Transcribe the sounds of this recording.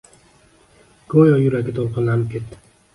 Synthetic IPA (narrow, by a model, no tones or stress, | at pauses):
ɡ̥ojɒjʊɾaɡʲɪt̪ʰolˠqɨnlanɪp̚kʰʲe̞t̪ːɪ̥